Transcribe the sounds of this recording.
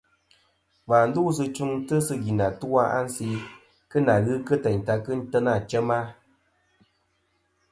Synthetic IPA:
va˨n̩˦du˦s̬ɨ˧t͡ʃu˦ŋtɨ˦sɨ˧ɣi˨na˨tu˦wa˦a̰˦n̩˦si˧ | kɨ˦na˨ɣɨ˦kɨ˦tɛ˨ɲ˨ta˧kɨ˦n̩˦tə˦na˦˨t͡ʃɛ˦ma˦

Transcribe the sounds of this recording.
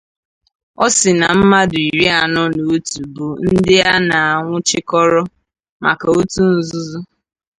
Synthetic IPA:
ɔ˦sɪ˨na˨m̩˦ma˦dʊ˨i˨ɾi˦a˨nɔ˦no˨o˦tu˨bu˨n̩˦dɪ˦a˦na˨a˨ŋʷʊ˦t͡ʃɪ˦kɔ˦ɾɔ˦ | ma̰˨ka˨o˦tu˦n̩˦zʊ˦zʊ˦

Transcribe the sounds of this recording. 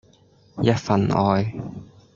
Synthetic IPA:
jɐ˥t̚fɐ˨nʔɔː˨˧j

